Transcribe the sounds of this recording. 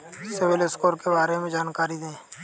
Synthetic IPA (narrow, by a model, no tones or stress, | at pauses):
sɪʋɪlɪskoːɾkebaːɾemẽd͡ʒaːnkaːɾid̪ẽː